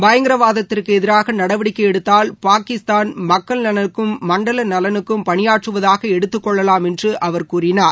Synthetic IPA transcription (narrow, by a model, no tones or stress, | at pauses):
bɐjɐŋɡɪɾɐʋaːðɐt̪ːɪrkɯɛðɪɾaːɣɐnɐɽɐʋɪɽɪkːɐɛɽɯt̪ːaːlpaːkɪst̪aːnmɐkːɐɭnɐnɐkːɯmːɐɳɖɐlɐnɐlɐnɯkːɯmpɐɳɪjaːʈrɯʋɐðaːɣɐɛɽɯt̪ːɯkːɔɭːɐlaːmɛndrɯʔɐʋɐɾkuːrɪnaːɾ